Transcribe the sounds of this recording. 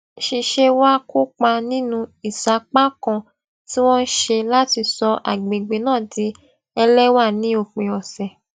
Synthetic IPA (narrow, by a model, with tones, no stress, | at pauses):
ʃi˨˧ʃe˧wa˦ku˦k͡pa˧nĩ˦nũ˧i˨sa˨˦k͡pa˦kã˧ | ti˦w̃ɔ̃˦n̩˦ʃe˧la˦ti˧sɔ˧ʔa̰˨ɡ͡be˨ɡ͡be˨˦nãː˦˨di˨˧˦ | ɛ˧lɛ˦wa˦˨nĩ˦o˨k͡pẽ˨ɔ˨sɛ˨